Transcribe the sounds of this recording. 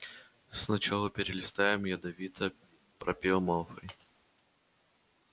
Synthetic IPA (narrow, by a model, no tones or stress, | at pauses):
snɐt͡ɕalˠəpʲɪɾʲɪlʲɪst̪ajɪmjad̪ɐvʲit̪ʰə | pɾɐ̰pʲelˠmalˠfəj